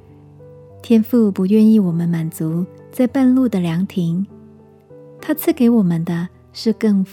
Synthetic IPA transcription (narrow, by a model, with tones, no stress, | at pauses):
t̪ʰjɛ˥nfu˥˩pu˧˥ɥɛ˥˧ni˥˩wɔ˨˩mə˦nma˨˩nt͡su˧˥t͡sa˥˧ɪpa˥˧nlu˥˩d̪ə˩ljɑ˧˥ŋt̪ʰi˧˥ŋ | t̪ʰa˥t͡sʰɹ̩˥˩ke˧˥ɪwɔ˨˩mə˦nd̪ə˧ | ʂɻ̩˥˧kɤ˥˧ŋf